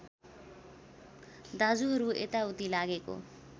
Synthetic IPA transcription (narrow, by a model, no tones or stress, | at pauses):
d̪ad͡zuɦʌɾuḛt̪aut̪ilaɡeko̰